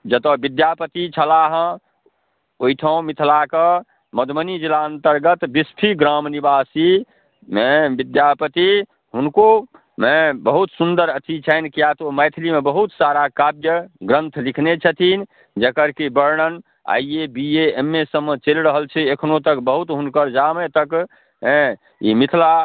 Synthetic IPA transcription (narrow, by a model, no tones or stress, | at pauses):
d͡ʒət̪əbid̪japət̪it͡ʃʰəlaɦə̃ | oit̪ʰəõmit̪ʰlakə | məd̪ʱmənid͡ʒilaənt̪əɾɡət̪bispʰiɡɾamnibasi | mebid̪japət̪i | ɦunko | mẽbəɦut̪sund̪əɾət̪ʰit͡ʃʰənkijat̪oməjt̪ʰlimebəɦut̪saɾakabjəɡɾənt̪ʰlikʰnet͡ʃʰət̪ʰin | d͡ʒəkəɾkibəɾɳən | a̰iebieemːesəmːet͡ʃelɾəɦəlt͡ʃʰɛekʰnot̪əkbəɦut̪ɦunkəɾd͡ʒamet̪ək | ɦẽ | imit̪ʰla